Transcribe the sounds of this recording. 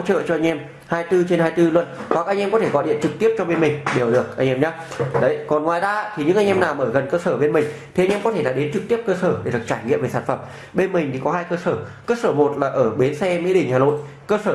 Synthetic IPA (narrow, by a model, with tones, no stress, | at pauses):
t͡ɕə̰ː˧˨t͡ɕɔ˧ʔa˧ŋ̟ʔɛ˧m | haː˧jt̪ɨ˧t͡ɕe˧nhaː˧jt̪ɨ˧lwə˧˩nhwa˨˩k̚ʔa˧jŋ̟ʔɛ˧mkɔ˨˦e˧˩kɔ˨˦ɗḭ˧˨ənt͡ɕɨ˨˩k̚t̪i˦˥əp̚t͡ɕɔ˧ɓe˧nmï˨˩ŋ̟ɗe˨˩wɗɨ˨˩ək̚ʔa˧ŋ̟ʔɛ˧mɲaː˨˦ | ɗə˨˦jkɔ˨˩nŋwaː˨˩jzaː˧a˧t̪ʰi˨˩ɲɨ̰˧˥ŋʔa˧jŋ̟ɛ˧mnaː˨˩wməː˧˩jɣə˨˩nkəː˧səː˧˩ɓe˧nmï˨˩ŋ̟t̪ʰi˨˩a˨˧jʔɛ˧mkɔ˨˦t̪ʰe˧˩ɗa̰ː˧˩ɗe˨˦nt͡ɕɨ˨˩k̚t̪i˦˥əp̚kəː˧səː˧˩ɗe˧˩ɗɨ˨˩ək̚t͡ɕaː˧˩jŋḭ˧˨mve˨˩saː˧˩nfə˧˩m | ɓe˧nmï˨˩ŋ̟t̪i˨˩kɔ˨˦ɦaː˧jkəː˧səː˧˩kəː˧səː˧˩mo˨˩t̚laː˨˩ʔəː˧˩ɓe˨˦nsɛ˧mḭ˧˥˦ɗï˧˩ŋ̟haː˨˩no̰˧˨j | kəː˧səː˧˩